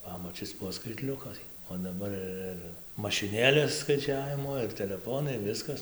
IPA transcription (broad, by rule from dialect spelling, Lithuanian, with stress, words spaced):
ˈpɑːmɐt͡ʃʲɪs ˈbuɔ skɐɪtʲˈlʲʊkɐɪ oː dɐˈbɐr ɪr ɪr mɐʃʲɪˈnʲeːlʲeːs skɐɪˈt͡ʃʲæːʋʲɪmoː ɪr tʲɛlʲɛˈfoːnɐɪ ˈʋʲɪskɐs